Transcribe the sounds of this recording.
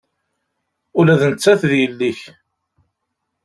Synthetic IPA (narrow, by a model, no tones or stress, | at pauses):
ʊlæðnət͡sːæθðjəlːiç